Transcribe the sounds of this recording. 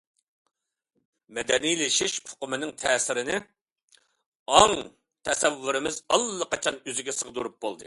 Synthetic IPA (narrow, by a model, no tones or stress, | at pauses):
mɛd̪ɛnijlɪʃiʃpʰʊ̥qʊmɪnɪŋt̪ʰɛːsɪɾɪnɪ | ɑŋ | t̪ʰɛsɛvːyɾɪmɪzɑlˠːəqʰɑt͡ʃʰɑnyzɪɡʲɛsəʁd̪uɾup̚bo̰lˠd̪ɨ̰